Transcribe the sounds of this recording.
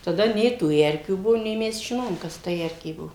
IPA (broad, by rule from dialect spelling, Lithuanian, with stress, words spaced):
tɐˈdɐ ˈnʲɛɪ tuː ˈɛrʲkʲuː ˈbʊʋoː nʲɛɪ ˈmʲɛs ʒʲɪˈnoːjoːm ˈkɐs tɐ ˈɛrʲkʲeː ˈbuɔ